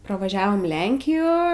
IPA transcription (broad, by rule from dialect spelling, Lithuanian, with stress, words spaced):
prɐʋɐˈʒʲæːʋoːm ˈlʲɛŋʲkʲɪjoː